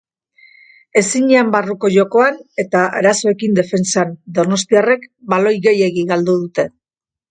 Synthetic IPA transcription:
e̞siɲeambaruko̞ʝo̞ko̞ane̞t̪aʔaɾaso̞e̞kind̪e̞fe̞nsand̪ono̞st̪iare̞kbalo̞jɣe̞je̞ɣiɣald̪uðut̪e̞

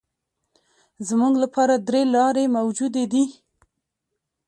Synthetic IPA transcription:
zmuɡlapʰɑɾad̪ɾelɑɾemawd͡ʒud̪ed̪i

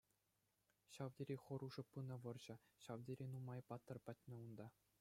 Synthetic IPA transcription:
ɕɑʋdʲeɾʲeχɤ̆ɾuʐɤ̆pːɯnɤ̆ʋɤ̆rʑɘ̆ɕɑʋdʲeɾʲenumɑjpɑt̪ːɤ̆rpɑt̚ʲnʲɘ̆und̪ɑ

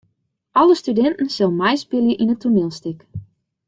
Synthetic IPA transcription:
ʔɔlˠəstydɛntn̩sɪlˠmɛjspɪljəʔinətunɪlˠstɪk

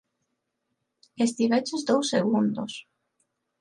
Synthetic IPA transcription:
est̪iβet͡ʃezd̪owsːeɣ̞und̪os

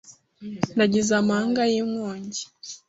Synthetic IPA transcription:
naɟizamaːŋɡajiŋwoːɲɟi̥

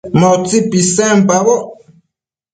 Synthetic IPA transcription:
mɔt͡sipisɛ̃m̩paβɔ

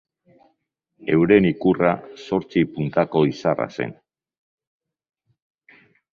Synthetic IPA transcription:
e̞wɾe̞nikuraso̞ɾt͡sipunt̪ako̞isara̰se̞̰n

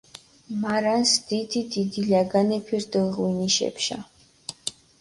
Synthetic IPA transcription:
maɾansd̪id̪id̪id̪ilaɡanɛpʰiɾd̪ɔʁwiniʃɛ̰pʃa̰

